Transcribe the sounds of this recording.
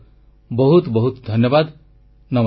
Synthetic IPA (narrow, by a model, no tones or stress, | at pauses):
bɔɦut̪bɔɦut̪d̪ʱɔnjɔbad̪ | nɔm